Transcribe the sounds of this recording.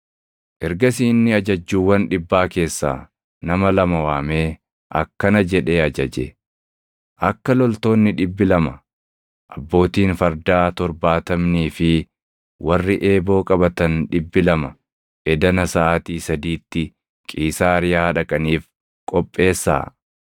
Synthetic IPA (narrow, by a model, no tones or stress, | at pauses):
ʔɛɾɡɐsiːnːɪɐd͡ʒɐd͡ʒːuːwɐnᶑɪbːaːke̞ːsːa̰ː | nɐmɐlɐmɐwaːme̞ː | ʔɐ̰kːɐnɐd͡ʒɛᶑe̞ːɐd͡ʒɐd͡ʒḛ | ʔɐkːɐlɔlt̪o̞ːnːɪᶑɪbːɪlɐmɐ | ʔɐbːo̞ːt̪iːnfɐɾd̪aːt̪ɔɾbaːt̪ɐmniːfɪ | wɐrːɪʔe̞ːbo̞ːkʼɐbɐt̪ɐnᶑɪbːɪlɐmɐ | ʔɛd̪ɐnɐsɐaːt̪iːsɐd̪iːt̪ːɪ | kʼiːsaːɾɪjaːᶑɐkʼɐniːf | kʼɔpʼːe̞ːsːa̰ː